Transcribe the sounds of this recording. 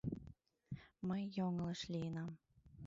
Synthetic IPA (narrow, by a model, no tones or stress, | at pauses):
məjːoŋɤ̆lɤ̆ʃlʲijənɑm